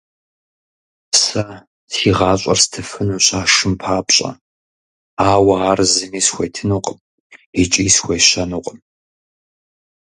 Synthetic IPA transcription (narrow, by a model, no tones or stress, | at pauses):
sɐ | siʁɑːɕʼɐ̰rstʰɨfɨnuɕaːʂɨmpʰaːpɕʼɐ̰ | aːwɐaːrzɨmiːsxʷejtʰɨnuːqʼəm | it͡ʃʼiːsxʷejɕɐnuːqʼəm